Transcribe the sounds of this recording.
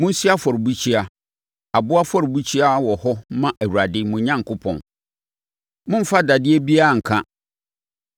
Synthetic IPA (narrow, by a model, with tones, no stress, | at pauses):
mʊ̃˦si˦a˦fɔ˨ɾbu˦t͡ɕʰi˦a˨ | a˨bʊ˦a˦fɔ˦ɾbu˦t͡ɕʰi˦a˦wɔ˨hɔ˦mã˦ʔæ˨wu˨ɾa˨dɪ˦mʊ̃˨˦ɲã˦ŋ˨kʊ˦pʰɔ̰̃˨n | mʊ̃˦m̩˦fa˦da˨dɪ˦e˦bi˦a˦˨ŋ̩˨kʰã˦